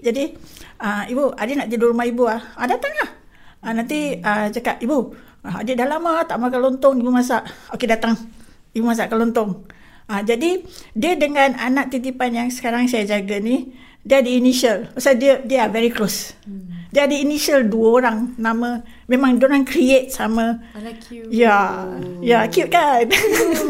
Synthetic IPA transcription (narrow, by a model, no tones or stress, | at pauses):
d͡ʒadiəibuadenaʔd̪ədulɾumahibuahadat̪aŋlah | anãnt̪iət͡ʃakapibu | aa̰dədahlamat̪aʔmak̬alont̪ɔŋibumas̬aʔokedat̪aŋ | ibumas̬aʔkalont̪ɔŋ | ad͡ʒadidiədəŋãnanãʔ̚t̪it̪ipanjaŋsə̥kaɾaŋsajad͡ʒaɡani | diadəiniʃəlasadiədəavɛɾiklos | diəadəiniʃəlduəoɾaŋnãmə̃ | mẽmãŋdioɾaŋkɾiet̪̚samə | ja | jakjut̪̚kan